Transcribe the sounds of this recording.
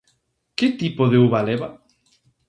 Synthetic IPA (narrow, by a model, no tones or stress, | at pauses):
kɪt̪ipoðeuβaleβa